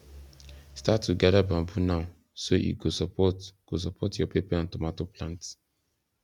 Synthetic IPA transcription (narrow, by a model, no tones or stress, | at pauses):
statːuɡadabãmbunaʊ | soʔḭɡosɔpɔtɡ̥os̬ɔpʰɔtjɔpepaɔ̃ntomatoplãnt